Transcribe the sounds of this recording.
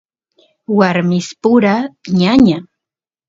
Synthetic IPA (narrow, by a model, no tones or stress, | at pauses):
waɾmɪspʊɾaɲaɲa